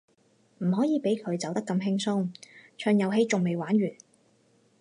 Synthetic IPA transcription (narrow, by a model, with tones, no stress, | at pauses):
m̩˨˩ɦɔː˨˥jiː˨˧pe˨˥jkʰɵ˨˧ɥt͡sɐ˨˥wt̪ɐ˥kːɐ˧mɦɪ˥ŋsʊ˥ŋt͡ʃʰœː˧ŋjɐ˨˧wɦe˧jt͡sʊ˨ŋme˨jwaː˨˥nɥyː˨˩n